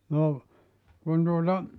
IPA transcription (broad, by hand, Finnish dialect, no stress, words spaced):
no kun tuotɑ